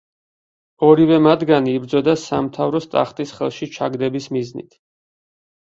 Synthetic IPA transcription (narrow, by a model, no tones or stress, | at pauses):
ɔɾivɛmat̪ɡaniːbɾd̪zɔd̪asamt̪ʰavɾɔst̪ʼa̰χt̪ʼisχɛ̰lˠʃit͡ʃʰa̰ɡd̪ɛbismiznḭt̪ʰ